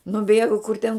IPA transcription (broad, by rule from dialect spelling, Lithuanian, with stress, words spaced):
nʊˈbʲeːɡʊ kʊr tʲɛn